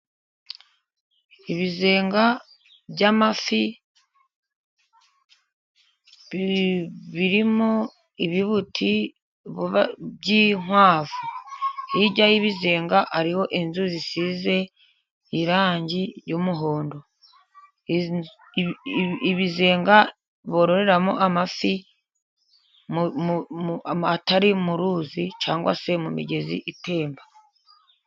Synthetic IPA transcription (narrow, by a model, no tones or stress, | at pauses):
iβize̞ːŋɡa | bɟamafi | βiɾimo | iβiβutʰi | bɟiŋ̥waːvuhiɟajiβizeːŋɡaʔaɾiho̞ʔinzuzisiːze̞ | iɾaːɲɟiɾjumuɦo̞ːndo̞ | βize̞ːŋɡa | βo̞ːɾo̞ɾe̞ɾamo̰ʔamafi | m | ataɾimuɾuːzit͡ʃaːŋɡwa̰se̞mumḭɟe̞zḭʔite̞ːmba